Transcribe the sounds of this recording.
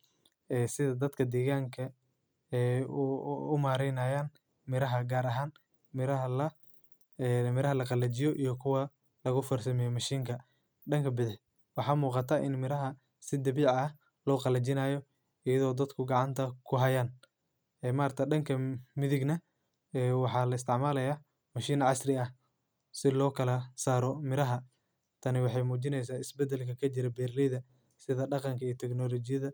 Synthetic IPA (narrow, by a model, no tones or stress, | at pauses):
ɛːsɪðɐd̪ɐd̪kʰɐd̪ɛːɣaːŋkʰɐ | ɛː | ʊmaːɾɛjnɐːjaːn | mɪɾɐɦɐɡaːɾɐɦaːn | mɪɾɐɐlɐ | mɪɾɐɦɐlɐqɑlɐt͡ʃɪjɔʔijɔkʰʊwɐ | lɐɣʊfɔrsɐmɛjɔmɐʃiːŋkʰɐ | ɖɐŋkʰɐbɪðɪħ | wɑħɑːmuːqɑt̪ʰɐːʔɪnmɪɾɐɦɐ | sɪd̪ɐβiːʕɐ | lɔːqɑlɐt͡ʃɪnaːjɔ | ɪjɐðɔːd̪ɐd̪kʰʊɡɑʕɑnt̪ʰɐkʰʊɦɐjaːn | ɛːmaːrt̪ʰɐɖɐŋkʰɐmɪðɪɡnɐ | ɛwɑħɑːlɐɪst̪ʰɪʕmaːlɐjaː | mɐʃiːnʕɑsrɪɐh | sɪlɔːkʰɐlɐsaːɾɔmɪɾɐɦɐ | t̪ʰɐnɪwɑħɑjmuːt͡ʃɪnɛjs̬aːɪsbɛd̪ɛlkʰɐkʰɐt͡ʃɪɾɛbɛːrlɪðɐ | sɪðɐɖɑqɑŋkʰɐiːt̪ʰɛɡnɔlɔt͡ʃɪjɐðɐ